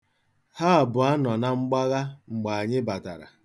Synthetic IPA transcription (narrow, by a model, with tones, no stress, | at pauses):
ha˦a˨bʊ˨a˦nɔ˨na˨ŋ͡m̩˦ɡ͡ba˦ɣa˦ŋ͡m̩˨ɡ͡ba˨a˨ɲɪ˦ba˨ta˨ɾa̰˨